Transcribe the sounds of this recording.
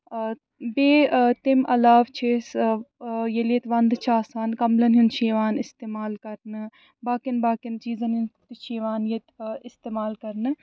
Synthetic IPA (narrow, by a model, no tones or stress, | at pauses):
beːt̪ɪmɐlaːʋt͡ʃʰes | jelet̪ʋɐnd̪t͡ʃʰaːsaːnkɐmlɐnɦint͡ʃiːʋaːnɪst̪eːmaːlkɐɾnɨ | baːkinbaːkɪnt͡ʃiːzɐnɦint̪iʃiːʋaːnjet̪ɪst̪eːmaːlkɐɾnɨ